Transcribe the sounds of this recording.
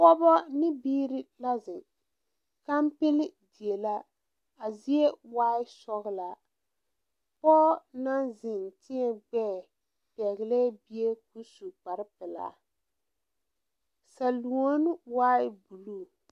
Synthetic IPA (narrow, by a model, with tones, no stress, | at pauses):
pɔ˦bɔ˦nɪ˦biː˦ɾɪ˦la˦zɪ˨ | ka˦m˦pɪ˦lɪ˦di˨e˨la˦ | a˨zi˦e˦waː˦ɪ˦sɔ˦ɣɪ˦la˨ | pɔː˦na˦nzɪ˨n˨tɪ˦ɛ˨ɡ͡bɛː˦˨ | pɛ˨ɣɪ˨lɛ˦bi˦e˦ku˦su˨k͡pa˨ɾɪ˦pɪ˨la̰˨ | sa˨lu˨o˦n˦waː˦ɪ˦bu˨luː˦˨